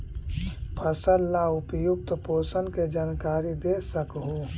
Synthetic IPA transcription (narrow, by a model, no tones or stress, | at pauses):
pʰəsəllaʊpjʊk̚t̪poːsənked͡ʒaːnkaːɾid̪esəkɦu